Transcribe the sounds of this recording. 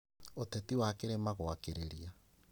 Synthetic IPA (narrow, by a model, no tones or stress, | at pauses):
otɛtiwakeɾemaɣoakeɾeɾia